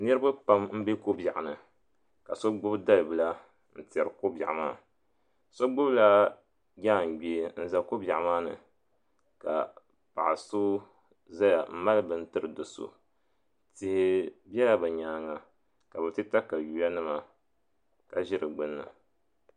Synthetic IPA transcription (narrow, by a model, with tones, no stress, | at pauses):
nɨ˦ɾɨ˦ba˦pa˦mm̩˦be˦ko˦ba˨ʔa˨nɨ˨ | ka˨so˦ɡ͡bʊ˦bda˦lbɨ˨la˦ | n̩˨ti˨ɛ˨ɾɨ˨ko˦bʲa˨ʔa˨ma̰ː˦ | so˦ɡ͡bʊ˦bla˦ | ɡʲa˦˨ŋ˨ɡ͡be˨˦n̩˦za˨ko˦bʲa˨ʔa˨maː˦nɨ̰˨ | ka̰˨ | pa̰˨ʔso˦ | za˦ja˨m̩˦ma˦lɨ˦bɨ˦n̩˦tɨ˦ɾɨ˨dʊ˨so̰˨ | tɪ˨hɪ˦bjɛ˦la˦bɨ˨ɲaː˨ŋa˨ | ka˨bɛ˨tɨ˦ta˦ka˨ju˨ja˦nɨ˦ma˨ | ka˨ʒɪ˦ɾɨ˨ɡ͡bɨ˦nːɨ̰˨